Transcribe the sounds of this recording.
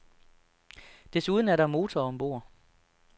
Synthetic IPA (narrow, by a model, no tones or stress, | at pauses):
d̥e̝suð̞ˠn̩æɐɾɑ̈mo̝ːt͡sʰɒɒ̽mb̥o̝̰ːɐ̰